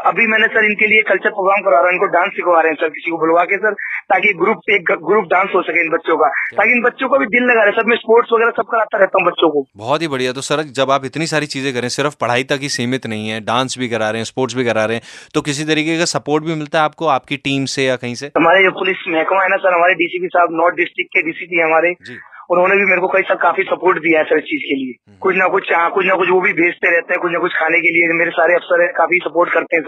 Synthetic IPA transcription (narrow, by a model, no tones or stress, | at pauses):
ɐbʱimɛːnesɐɾɪnkeliekɐlt͡ʃəɾpɾoːɡɾaːmkɐɾaːɾaɪnkoɖãːnsɖɪkʰʋaːɾeɦɛ̃sɐɾkɪsikobʊlʋaːkesɐɾt̪aːkiɡɾuːp̚peːkɡɾuːp̚ɖãːnsɦosɐkeɪnbɐtːʃõkat̪aːkiɪnbɐtːʃõkobʱid̪ɪlːɐɡaːɾeɛ̃sɐɾmɛ̃spoːɾʈsʋɐɣɛːɾasɐb̚kɐɾaːt̪aɾɛɦt̪aːɦũbɐtːʃõkobɔːt̪ɦibɐɽiɛt̪osɐɾd͡ʒɐbaːpɪt̪nisaːɾit͡ʃiːzẽkɐɾẽɛ̃sɪɾəfpɐɽ̤aːit̪ɐkːisiːmɪt̪nɐɦĩɦɛ̃ːɖãːnsbʱikɐɾaːɾeɦɛ̃ːspoːɾʈsbʱikɐɾaːɾeɦɛ̃t̪okɪs̬it̪ɐɾiːkekasɐpoːɾʈbʱimɪlt̪aɦɛaːp̚koaːp̚kiʈiːmsejakɐɦĩseɦɐmaːɾed͡ʒopʊlɪsmɛɦkmãɦɛnasɐɾɦɐmaːɾeɖiːsiːpisaːbnɔːɾʈ̪̚ɖɪsʈɾɪk̚ʈːkeɖiːsipiɦɛ̃ɦɐmaːɾed͡ʒiːʊnɦõːnebʱimeːɾekokɐisaːlkaːfisɐpoːɾʈd̪ijaɦɛsɐɾɪst͡ʃiːzkelie | kʊt͡ʃʰnɐkʊt͡ʃʰt͡ʃãkʊt͡ʃʰnɐkʊt͡ʃʰʋobʱibʱeːd͡ʒt̪eɾɛɦt̪eɦɛ̃kʊt͡ʃʰnɐkʊt͡ʃʰkʰaːnekeliemeːɾesaːɾeɐfsəɾɦɛ̃kaːfisɐpoːɾʈkɐɾt̪ẽɦɛ̃s